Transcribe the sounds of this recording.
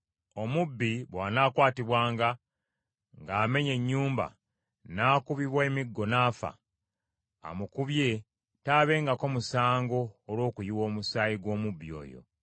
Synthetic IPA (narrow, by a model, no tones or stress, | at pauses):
o̞mubːiβwaːnaːkwaːtiβwaːŋɡa | ŋɡaːme̞ɲe̞ɲːuːmba̰ | naːkuβiβweːmiɡːo̞naːfa̰ | a̰mukuβje̞ | taːβe̞ːŋɡako̞musaːŋɡo̞ːlwo̞ːkujiwo̞ːmusaːjiɡwo̞ːmubːio̞̰ːjo̞̰